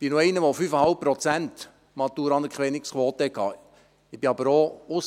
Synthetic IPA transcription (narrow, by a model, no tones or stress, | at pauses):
ɪnoɛɪnəʋɔfyfəhɑlp̚pɾɔt͡sænt | mɑt̪uːɾɑnəkχʋɛnɪkskʋɔːt̪əɛkʰːɑ̰ː | ɪb̥iɑbəɾoʊs